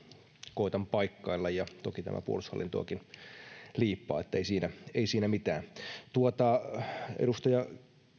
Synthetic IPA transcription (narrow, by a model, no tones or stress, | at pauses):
koit̪ɑmpɑikːɑilːɑjjɑt̪okit̪æ̰mʔæ̰puolushɑ̰lːʔint̪o̰ɑkin | liːpːɑ̰ːet̪ːæeisiːnæeisiːnæmit̪æːnt̪uot̪ɑḛdust̪ɑjɑ